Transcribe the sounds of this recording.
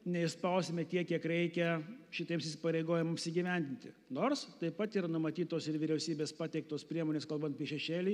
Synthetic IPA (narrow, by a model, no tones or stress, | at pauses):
nʲɛɪspɐʊsʲemʲɛt̪ʲiɛkʲiɛkɾʲɛɪkʲɛʃʲɪt̪ʲiɛmsɪsʲɪ̥pɐɾʲɛɪɡoːjɪmmɪpʲsʲɪɡʲiʋʲɛnʲd̪ʲɪnʲt̪ʲɪ | noːrst̪ɐɪppɐt̪iːɾɐnʊmɐt̪ʲiːt̪oːsɪɾʋʲɪɾʲɛʊsʲiːbʲeːspɑːt̪ʲɛɪk̚t̪oːspʲɾʲiɛmoːnʲeːskɐlˠbɐnt̪̚pʲiɛʃʲɛʃʲeːlʲiː